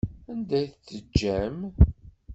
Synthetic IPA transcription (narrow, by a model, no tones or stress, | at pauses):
ænd̪æjθt͡sːəd͡ʒːæm